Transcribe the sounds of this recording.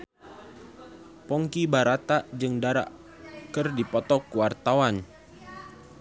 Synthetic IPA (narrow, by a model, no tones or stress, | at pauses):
pɔŋkibaɾat̪aʔd͡ʒɨŋdaɾa̰ʔ | kɨrdipɔt̪ɔkuwart̪awan